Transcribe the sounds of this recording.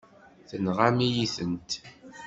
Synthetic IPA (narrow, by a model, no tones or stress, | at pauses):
θənʁamijiθənt̪